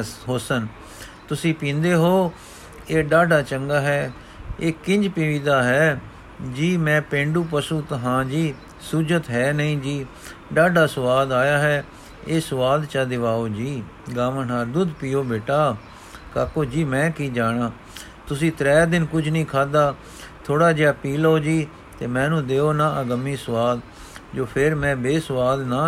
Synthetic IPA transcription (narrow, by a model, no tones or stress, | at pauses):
ɦoːsən | t̪ʊsĩːpĩːnd̪eːɦoː | eːɖaːɖaːt͡ʃəŋɡaːɦɛː | eːkɪ̃ɲd͡ʒpɪʋiːd̪aːɦɛː | d͡ʒiːmɛ̃ːpẽːɳɖuːpəsũːt̪əɦãːd͡ʒiː | suːd͡ʒət̪ɦɛːnəĩːd͡ʒiː | ɖaːɖaːsʊʋaːd̪aːjaːɦɛː | eːsəʋaːd̪t͡ʃaːd̪ɪʋaːoːd͡ʒiː | ɡaːʋənɦaːɾd̪ʊd̪piːoːbeːʈaː | kaːkoːd͡ʒiːmɛ̃ːkiːd͡ʒaːɽaː | t̪ʊsĩːt̪ɾɛːd̪ɪnkʊd͡ʒnəĩːkʰaːd̪aː | t̪ʰoːɽaːd͡ʒejaːpiːloːd͡ʒiː | t̪eːmɛ̃ːnũːd̪eːoːnaːʔəɡəmĩːsʊʋaːd̪ | d͡ʒoːpʰɪɾmɛ̃ːbeːsəʋaːd̪naː